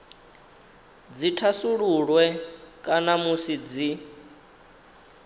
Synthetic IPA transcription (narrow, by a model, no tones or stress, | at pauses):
d͡zitʰasuɺuɺwɛkʼanamusid͡zi